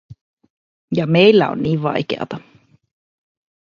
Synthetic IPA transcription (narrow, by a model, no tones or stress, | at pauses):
jɑme̞jlːæo̰nːiːʋʋɑ̰jkeɑ̰t̪ɑ